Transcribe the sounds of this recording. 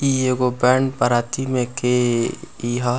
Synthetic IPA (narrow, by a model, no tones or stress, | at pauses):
ieɡobɛːɳɖpəɾaːt̪imẽke | iɦa